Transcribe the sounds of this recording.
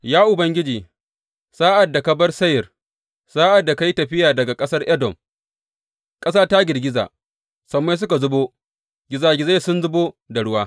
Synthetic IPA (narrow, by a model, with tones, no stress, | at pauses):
jaː˦ʔʊ˨bɐ˦ŋɡʲɪ˦d͡ʒiː˨ | saː˦ʔa˨dːa˨kɐ˨bɐ˦rsɐ˦jɪ˨r | saː˦ʔa˨dːa˨ka˦ji˦tɐ˨ɸɪ˦jaː˨dɐ˨ɡa˨kʼɐ˦sɐ˦rʔɛ˦dɔ˨m | kʼɐ˦saː˦ta˦ɡʲɪ˨ɡʲɪ˦za̰ː˨ | sɐ˨mːa˦s̬ʊ˦ka˨zʊ˦boː˦ | ɡʲɪ˨zaː˦ɡʲɪ˨za˦sʊ˦nzʊ˦boː˦da˨ɽʊ˦waː˦